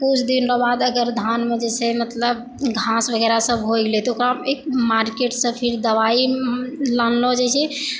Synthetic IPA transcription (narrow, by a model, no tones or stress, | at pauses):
kut͡ʃʰd̪inɾabad̪əɡəɾd̪ʱanmed͡ʒɛsemət̪ləb | ɡʱasbəɡɛɾasəbʱɦoɡlet̪ɔokɾaekmaɾkeʈsə̃pʰiɾd̪əβailanlod͡ʒɛt͡ʃʰɛ